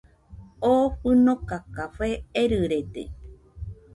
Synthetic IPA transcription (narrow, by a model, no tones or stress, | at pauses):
oɸɨnõkakaɸeeɾɨɾed̪ḛ